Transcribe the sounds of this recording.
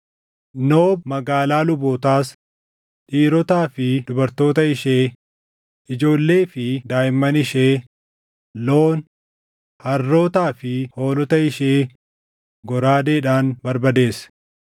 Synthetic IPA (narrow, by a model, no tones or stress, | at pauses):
noːbmɐɡaːlaːlʊboːt̪aːs | ᶑiːɾɔt̪aːfɪd̪ʊbɐɾt̪o̞ːt̪ɐɪʃe̞ː | ʔɪd͡ʒo̞ːlːe̞ːfɪd̪aːjɪmːɐnɪʃeː | lo̞ːn | hɐrːo̞ːt̪aːfɪho̞ːlɔt̪ɐɪʃeː | ɡɔɾaːd̪eːᶑaːnbɐɾbɐd̪e̞ːs